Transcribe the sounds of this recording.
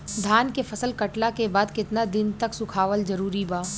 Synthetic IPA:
d̪ʱaːnkefʰɐsəlkɐʈlakebaːd̪kɪt̪nad̪ɪnt̪ɐksʊkʰaːʋəld͡ʒɐɾuːɾibaː

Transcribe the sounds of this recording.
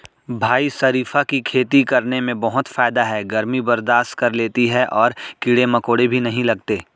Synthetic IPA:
bʱaːisɐɾiːfakikʰeːt̪ikɐɾnemẽbɐɦʊt̪faːɪd̪aɦɛɡɐɾmibɐɾd̪aːʃt̪kɐɾleːt̪iɦɛʔɔːɾkiɽemɐkoːɽebʱinɐɦĩlɐɡt̪eː

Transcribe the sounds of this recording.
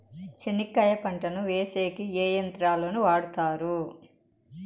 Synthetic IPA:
t͡ʃenikːɐjɐpɐɳʈɐnuʋeːseːkieːjɐnt̪ɾaːlo̞ːnuʋaːɽut̪aːɾu

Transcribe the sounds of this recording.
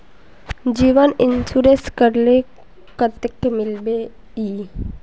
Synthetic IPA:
d͡ʒiːʋənɪnsuɾeskəɾle | kət̪əkmɪlbe | iː

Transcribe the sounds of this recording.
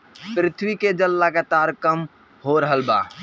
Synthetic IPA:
pɾɪt̪ʰwiked͡ʒəlːəɡat̪aɾkəm | hoɾəɦəlba̰

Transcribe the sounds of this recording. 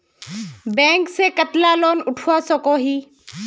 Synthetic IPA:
bɛ̃ːŋksekət̪laloːnʊʈʰuasɔkoɦiː

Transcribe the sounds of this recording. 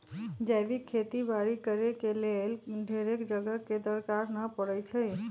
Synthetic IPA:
d͡ʒajbikʰːet̪ibaɾikəɾekelelɖʱeɾekd͡ʒəɡəked̪əɾkaɾnəpəɽət͡ʃʰəj

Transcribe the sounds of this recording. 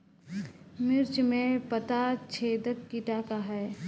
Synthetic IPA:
mɪɾt͡ʃmẽpət̪at͡ʃʰeːd̪əkːiʈakaɦɛː

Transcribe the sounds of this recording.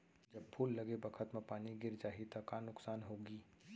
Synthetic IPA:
d͡ʒəb̚pʰuːlːɐɡebəkʰət̪mẽpaːniɡɪɾd͡ʒaːɦit̪akanʊksaːnɦoːɡiː

